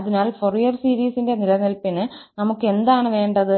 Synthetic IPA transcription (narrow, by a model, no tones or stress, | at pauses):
ɐðinaːlforijɐrsiːɾiːsinde̞nilɐnilpinɨnɐmukːɨe̞nd̪aːɳɨʋe̞ːɳɖɐðɨ